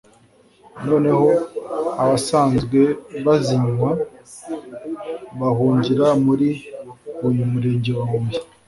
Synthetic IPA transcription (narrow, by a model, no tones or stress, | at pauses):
no̞ːne̞ho̞aβasaːnzɡwe̞βaziɲwa | βahuːɲɟiɾamuɾi | ujumuɾe̞ːɲɟewamuuji̥